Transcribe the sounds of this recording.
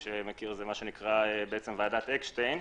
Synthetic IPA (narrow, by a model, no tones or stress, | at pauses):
ʃemekiʁzemaʃenikʁaebeet͡semvaːdat̪ekʃtejn